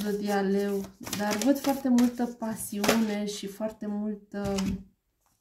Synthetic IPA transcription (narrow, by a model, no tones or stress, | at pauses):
d̪əd̪ialewd̪arvəd̪foart̪e̞mult̪əpasiune̞ʃifoart̪e̞mult̪ə